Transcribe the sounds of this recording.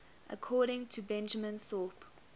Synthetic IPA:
ʔə̰kʰɔːɾɪ̃ŋtʰubɛ̃nd͡ʒəmə̃nθɔːp

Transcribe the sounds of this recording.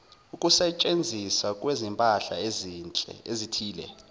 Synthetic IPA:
ukʼusɛt͡ʃʼend͡zʱiswakʼwezimpʼaɬa̰ezit͡ɬʼɛ̰ezitʰiːlɛ̰

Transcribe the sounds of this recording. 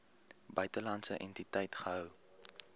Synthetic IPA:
bœɥtəlɐntsəʔɛntitɛjtχəɦəw

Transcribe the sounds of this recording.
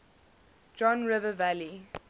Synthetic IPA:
d͡ʒɔ̃nɹɪvəvæli

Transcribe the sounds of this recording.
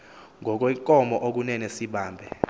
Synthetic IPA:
ŋʱɔk̬wɛŋkʼɔmɔʔok̬unɛnesiɓaːmbʱɛ

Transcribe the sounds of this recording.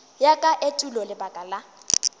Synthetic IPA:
jakʼaʔetʼulɔlɪbakʼala

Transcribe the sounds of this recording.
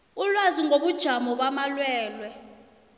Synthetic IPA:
ulwaziŋɡʱoɓud̥ʒ̥ʱamɔɓamalwɛːlwɛ

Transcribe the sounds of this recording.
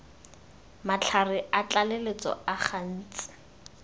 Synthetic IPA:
mat͡ɬʰarɪʔat͡ɬalelet͡sɔ̰aχan̩ːt͡sʼɪ̥

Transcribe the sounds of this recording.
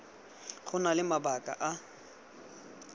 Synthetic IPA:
χʊnalɪmabakʼa̰ʔa

